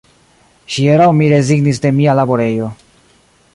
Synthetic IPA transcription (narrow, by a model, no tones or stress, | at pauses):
ʃieɾawmiɾe̞ziɡnis̬de̞mialabo̞ɾe̞jo̞